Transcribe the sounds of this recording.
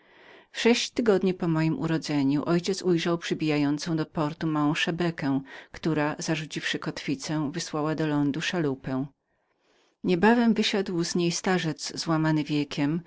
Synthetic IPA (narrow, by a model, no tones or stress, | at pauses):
fʂɛɕt͡ɕt̪ɘɡɔd̪ɲipɔmɔjimʔṵɾɔd̪zɛɲuʔɔjt͡ɕɛt̪sujʐawpʂɘbʲijajɔnt̪sɔ̃w̃d̪ɔpɔɾt̪umawɔ̃w̃ʂɛbɛkɛ̃w̃kt̪uɾaz̥aʐut͡ɕifʂɘkɔt̪fʲit̪sɛ̃vɘswawad̪ɔlɔnd̪uʂalupɛ̃w̃ | ɲɛbavɛmvɘɕad̪wzɲejst̪aʐɛt̪zzwamanɘvʲjɛkʲʰɛm